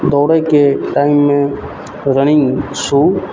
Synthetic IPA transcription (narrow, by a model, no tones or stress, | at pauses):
d̪ɔːɽəkeʈaːɪmːẽ | ɾəñɪ̃ŋsuː